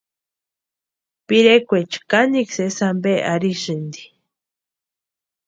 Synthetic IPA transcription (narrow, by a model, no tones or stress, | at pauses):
piɾekʷet͡ʃkaniksesambeʔaɾisɨnd̪i̥